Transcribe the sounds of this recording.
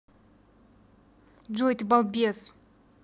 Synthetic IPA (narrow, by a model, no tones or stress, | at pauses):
d͡ʒojt̪balˠt̪̚bʲias